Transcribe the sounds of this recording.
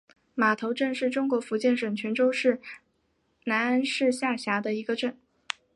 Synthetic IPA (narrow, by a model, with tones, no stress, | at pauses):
ma˨˩t̪ʰo˧˥ʊʈ͡ʂɤ˥˧nʂɻ̩˥˩ʈ͡ʂʊ˥ŋkwɔ˧˥fu˧˥t͡ɕjɛ˥˩nʂwə˨˩nt͡ɕʰɥɛ˧˥nʈ͡ʂo˥ʊʂɻ̩˥˩ | na˧˥na˥nʂɻ̩˥˧ɕja˥˩ɕja˧˥d̪ə˧i˧˥ɡə˧ʈ͡ʂə˥˩n